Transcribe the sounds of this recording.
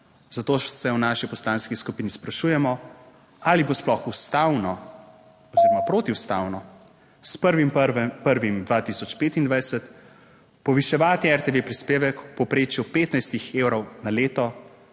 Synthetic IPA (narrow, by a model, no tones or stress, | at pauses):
zat̪oːsɛwnaːʃipɔst̪lanskiskupiːnispɾaʃujɛmɔ | alibosplɔxust̪awnɔ | ɔziɾɔmapɾoːt̪iuwst̪a̰wnɔ | spəɾʋimpəɾʋimd̪ʋaːt̪isɔt͡ʃpeːt̪ind̪ʋajsɛt̪ | pɔʋiʃɛʋaːt̪iɛɾt̪eʋepɾispeːʋɛkpɔpɾeːt͡ʃjupeːt̪najst̪ixeːwɾɔwnaleːt̪ɔ